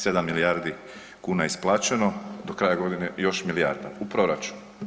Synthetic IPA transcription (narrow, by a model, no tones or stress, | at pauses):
se̞d̪amːilijaɾd̪i | kuːnaisplˠaːt͡ʃe̞no̞d̪okɾaːjaɡo̞d̪inejo̞ʃmilija̰ːɾd̪a̰upɾo̞ɾat͡ʃu̥n